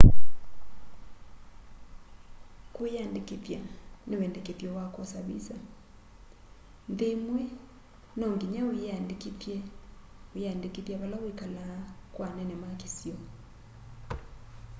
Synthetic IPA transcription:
kwjandikitjanewɛndɛkeθjɔwakɔsaβḭsa | nðemwɛ | nɔŋɡiɲawjandikitjɛ | ujandikitjaβalawikalakwanɛnɛmakisjɔ

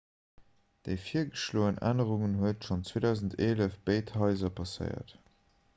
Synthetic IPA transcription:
d̥eɪfiːɐɡəʃloːənʔæ̰nəʁuŋənɦuətʃont͡sweːdɑʊzən̩tʰeːləfb̥eɪthɑɪzɐpʰɑsə̰ɪɐ̰t

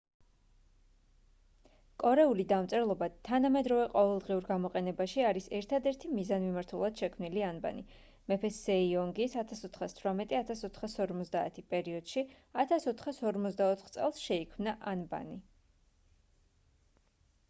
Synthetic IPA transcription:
kʼɔɾɛulid̪amt̪sʼɛlˠɔbat̪ʰanamɛd̪ɾɔvɛqʼɔvɛlˠd̪ʁiuɾɡamɔqʼɛnɛbaʃiaɾisɛɾt̪ʰad̪ɛɾt̪ʰimizanmimaɾt̪ʰulˠad̪̥ʃɛkʰmnilianba̰ni | mɛpʰɛsɛiɔŋɡisat̪ʰasɔt̪ʰχast̪ʰwɾamɛt̪ʼiat̪ʰasɔt̪ʰχasɔɾmɔt̪zd̪aːt̪ʰipʼɛɾiɔd̪̥ʃi | at̪ʰasɔt̪ʰχasɔɾmɔt̪sd̪aɔt̪ʰχt̪sʼɛ̰lˠsʃɛikʰmnaʔanba̰ni

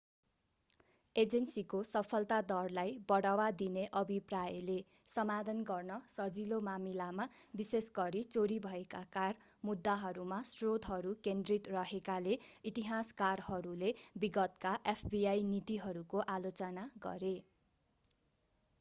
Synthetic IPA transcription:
ed͡zensikosʌpʰʌlt̪ad̪ʌrlajbʌɽawad̪ineʔʌbʱiprajʌle | sʌmad̪ʱʌnɡʌrnʌsʌd͡zilomamilamabisesɡʌɾit͡soɾibʱʌekakar | mud̪ːaɦʌɾumasrod̪ʱɦʌɾukend̪rit̪rʌɦekaleit̪iɦaskarhʌɾulebiɡʌt̪kaʔepʰbiajnit̪iɦʌɾukoʔalot͡sʌnaɡʌ̰ɾe

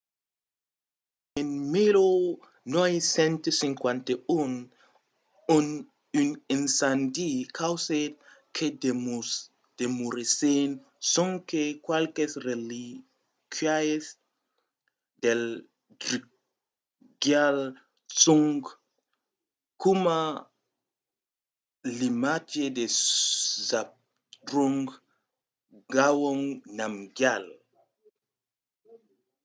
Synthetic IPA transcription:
enmiɾo | nɔjsɛ̃nt̪sĩŋkwãnt̪eun | on | ynẽnsand̪ikʰawset̪̚ | kʰed | d̪̥emuɾisen | sõŋkekwalkesreli | kʰajes | d̪el | dɾi | ɡjal | t͡suŋɡ | kuma | limad͡ʒed̪e | zap̚ | dɾuŋɡ | ɡawoŋnamɡjal

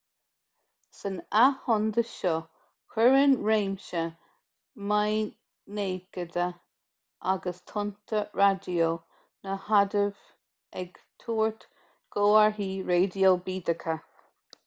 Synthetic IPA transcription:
sənahɔnd̪əʃɔ | kʰɛɹənɹeːmʃə | maj | neːɡ̥əd̪ə | ʔaɡəst̪ʰʊnt̪ʰəɹadio | nəhad̪əv | ɛɡt̪ʰuːɹt̪ | ɡ̥oːaɹɦiːɹeːdiolbiːd̪əkʰə

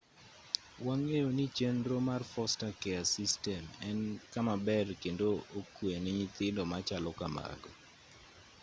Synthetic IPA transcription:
waŋejonit͡ʃenɾomarfɔstakɛasistɛmɛnkamabɛrkendookwenɛɲɪt̪ɪndɔmat͡ʃalɔkama̰ɡɔ

